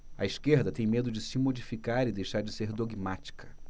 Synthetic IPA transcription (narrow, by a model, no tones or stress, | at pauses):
ɐ̰iʃkeɾd̪ɐt̪ẽj̃med̪ʊd͡ʒɪsɪmod͡ʒifikaɾɪd̪ejʃaɾd͡ʒɪseɾd̪oɡmat͡ʃi̥kʰɐ